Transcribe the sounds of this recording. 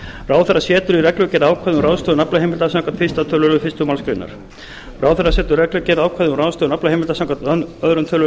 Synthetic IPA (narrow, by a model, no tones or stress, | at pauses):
raːwθɛrːasjɛːt̪ʏɾirɛklʏcɛɾaːwkʰajðʏmrawðst̪œðnaplahejmɪlt̪asãwŋkʰvant̪fist̪at̪ʰœlʏlʏfɪst̪ʏmalskɾɪ̰nːa̰ɾ̥ | raːwθɛrːasɛːt̪ʏrɛklʏcɛɾaːwkʰvaðʏmɾawðst̪œːnaplahejmɪlt̪asãːŋkʰvanœðɾʏnt̪ʰœl